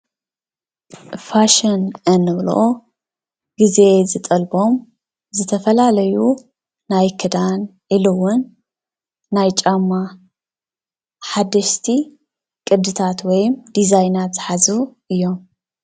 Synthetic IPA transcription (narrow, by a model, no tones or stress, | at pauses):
faʃɐnʼɐnɨβlo̰ʔo | ɡ̥izeezɨt̪ʼɐlbo̞m | zɨt̪ʰɐfɐlalɐju | najkʰɨd̪anʔilɨwʊnː | ajt͡ʃʼamːa | ħad̪ɐʃt̪ʰi | kʼɨd̪ɨt̪ʰat̪wɔjmd̪izajnat̪ħazuʔɨjːo̞m